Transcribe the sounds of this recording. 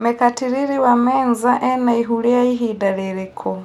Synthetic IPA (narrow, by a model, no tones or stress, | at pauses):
mɛkatiɾiɾiwamɛnzaʔɛnaiɦuliaiɦiːdalɛɾikʰɔ